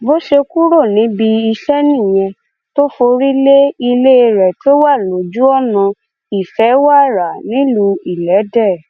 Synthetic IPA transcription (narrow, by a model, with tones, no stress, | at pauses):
bo˦ʃe˧ku˦ɾo˦˨nĩ˨˦bi˧i˧ʃɛ˦nĩ˦˨j̃ɛ̃˧ | to˦fo˧ɾi˦le˦i˧le˦˧ɾɛ˨tʰo˦wa˦˨lo˨˦d͡ʒu˦ɔ˦˨nã˧ | i˦˨fɛ˨˦wa˦˨ɾa˨nĩ˨˦lu˧i˦˨lɛ˨˦dɛ˦˨